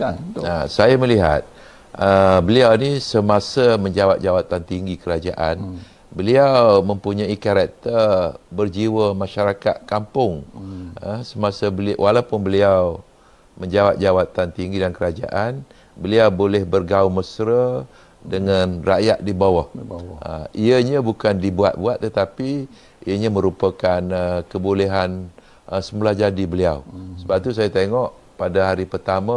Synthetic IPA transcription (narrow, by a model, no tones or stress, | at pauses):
asajaməliɦa̰t̪̚ | əbəliawnisəmasəməɲd͡ʒawap̚d͡ʒawat̪ant̪iŋɡikəɾad͡ʒaʔan | bəliawmə̃mpuɲaikaɾak̚t̪ərbərd͡ʒiwəmãʃaɾakat̪̚kampʊŋ | əsəmasəbəliwʔalawpʊnbəliaw | məɲd͡ʒawap̚d͡ʒawat̪ant̪iŋɡidankəɾad͡ʒa̰ʔan | bəliawbolɛhbərɡauməsɾə | dəŋanra̰ʔjaʔ̪̚dibawahə̰iəɲəbukandibua̰t̪̚buat̪ːət̪api | iəɲəməɾupəkanəkəbuleɦan | əsəmulahd͡ʒadibəliawsəbap̚t̪us̬ajat̪eŋɔʔ | padaɦaɾipərt̪ama